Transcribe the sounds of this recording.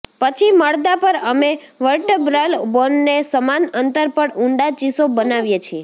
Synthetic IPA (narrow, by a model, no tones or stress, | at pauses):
pət͡ʃʰiməɭd̪apəɾəme | ʋəɾʈəbɾalbonːesəmanənt̪əɾpəɽuɳɖat͡ʃisobənaʋjet͡ʃʰie